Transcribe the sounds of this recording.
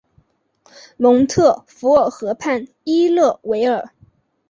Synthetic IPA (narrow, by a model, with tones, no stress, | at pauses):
lʊ˧˥ŋt̪ʰɤ˥˩fu˧˥ə˨˩xɤ˧˥pʰa˥˩n | i˥lɤ˥˩we˧˥ɪə˞˨˩˦